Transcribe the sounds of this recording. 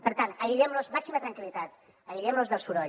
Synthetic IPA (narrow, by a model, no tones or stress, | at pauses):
pəɾt̪anəiɾɛmnoszmaksimət̪ɾəŋkilit̪at̪̚ | əiɾɛmnozðəlˠsfuɾɔ